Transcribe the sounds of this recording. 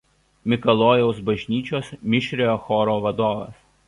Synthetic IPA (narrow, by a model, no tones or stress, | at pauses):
mʲɪkɐlˠoːjɛʊsbɐʒʲnʲiːt͡ʃʲoːsmʲɪʃʲɾʲejoːxɔːɾoːʋɐd̪oːʋɐ̰s